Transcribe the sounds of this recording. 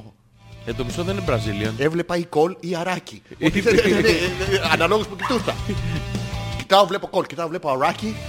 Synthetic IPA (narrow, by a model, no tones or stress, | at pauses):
end̪omist̪oðeninebɾɐzilione̞vle̞pɐiko̞liɐɾɐciot̪ieneɐnɐloɣuspucit̪ust̪ɐ̰ | ci̥t̪ɐovle̞poko̞lcit̪ɐovle̞poɐɾɐci